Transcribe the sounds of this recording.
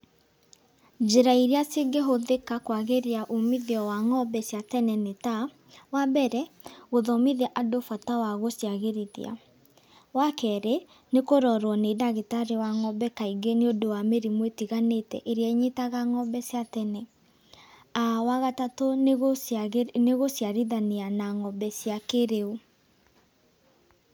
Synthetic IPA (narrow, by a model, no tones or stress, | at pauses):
d͡ʒeɾaiɾiaseɡeɦoðekakwaɣeɾeaʔomiðeɔwaŋɔbɛsjatɛnɛneta | wabɛɾɛɣoðɔmiðɛʔadofatawaɣosjaɣeɾiðḭa̰ | wakɛɾe | nekoɾɔɾwɔnedaɣetaɾewaŋɔbɛkaiɡeneodowameɾimwetiɣanetɛ̰ʔeɾiɛɲetaɣaŋɔbɛsjatɛnɛ | awaɣatatoɣ | neɣosjaɾiðaneanaŋɔbɛsjakeɾeo